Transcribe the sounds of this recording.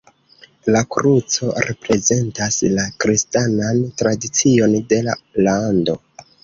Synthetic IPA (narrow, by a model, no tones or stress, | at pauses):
lakɾut͡so̞ɾe̞pɾe̞ze̞ntaslakɾistanantɾadit͡sio̞nde̞la̰lando̞